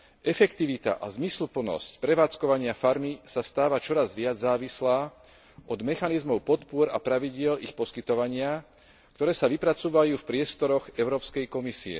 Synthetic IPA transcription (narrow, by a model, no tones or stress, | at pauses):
ʔɛfɛkt̪iʋit̪a̰ʔa̰zmislupl̩nɔ̰scpɾɛʋaːt͡skɔʋaɲɪafaɾmisast̪aːʋat͡ʃɔɾazʋɪad͡zzːaːʋislaː | ʔɔd̪mɛxanizmɔʊpɔt̪pʊɔɾa̰pɾaʋiɟɪɛlixpɔskit̪ɔʋaɲɪa | kt̪ɔɾɛːsaʋipɾat͡suːʋajuːfpɾɪɛst̪ɔɾɔɣɛʊɾɔːpskɛjkɔmisiɛ̰